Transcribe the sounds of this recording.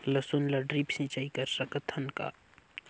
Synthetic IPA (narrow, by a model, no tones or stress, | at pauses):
lɐsʊnlɐɖɾiːpsĩːt͡ʃaːikɐɾsɐkət̪ʰənka̰ː